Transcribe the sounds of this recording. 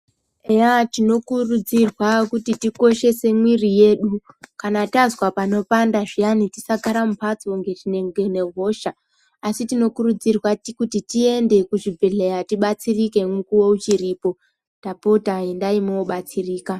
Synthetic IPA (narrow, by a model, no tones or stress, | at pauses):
eatino̞kurud͡zirwakutitiko̞ʃe̞se̞mwirije̞ːɗu | kanatazwapano̞pandaʐijanitisaɡʱaɾamupʰat͡soŋɡe̞tineŋɡene̞ɦo̞ʃaː | sitino̞kurud͡zirwatkutitie̞nde̞kuʐibʱeɮejatiɓat͡sirike̞mukuwout͡ʃiriːpo̞ | tapotaendaimeoɓat͡siriːka